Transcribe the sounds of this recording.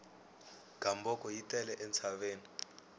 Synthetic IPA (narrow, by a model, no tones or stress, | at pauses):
ɡ̥ʱambɔkɔjitʼɛlɛʔɛnt͡sʰaβeːni